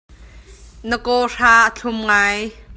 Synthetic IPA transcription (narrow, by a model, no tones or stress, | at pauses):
nəkɔːraːʔət͡ɬʰʊmŋaːj